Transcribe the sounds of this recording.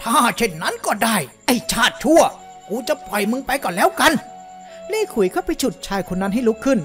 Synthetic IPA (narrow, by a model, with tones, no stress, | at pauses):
t̪ʰaː˥˩t͡ɕʰe˥˩nːa˦˥˨nkɔː˥˩daː˧˥˩jʔa˧˩jt͡ɕʰaː˥˩t̪̚t͡ɕʰu˥˩ɐ | kuː˧t͡ɕa˨˧pʰɔ˨˩jmɯ˧ŋpa˧jkɔː˧˩lɛː˦˥wka˧n | leː˥˩kʰu˨˩˦jkʰa˥˩wpa˧jt͡ɕʰu˨˩t̪̚t͡ɕʰaː˧jkʰo˧nːa˦˥nɦa˥˩jlu˦˥kʰːɯ˥˩n